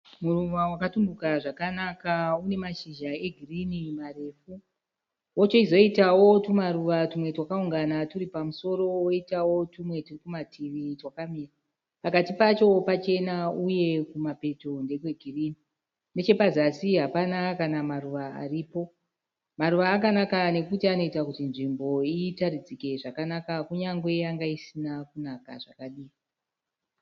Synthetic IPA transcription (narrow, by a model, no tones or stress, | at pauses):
murumawakatumdukaʐakanakaune̞maʃiʒae̞ɡʱirinimare̞ːfu | wot͡ʃoizo̞itawo̞tumaɾuʋatumwe̞twakauŋɡanatuɾipamuso̞ɾo̞woitawo̞tumwe̞turikumatʰiʋitwakamiːra | pakatipat͡ʃo̞pat͡ʃe̞nauje̞kumape̞to̞nde̞k̬we̞ɡʱirini | ne̞t͡ʃe̞pazasiɦapanakanamaruʋaa̰riːpo̞ | maɾuʋaːkanakane̞kutiano̞itakutinʐimbo̞itaɾid͡zike̞ʐakanakakuɲaŋɡwe̞jaŋɡaisinakunaka̰ʐa̰kaɗiːi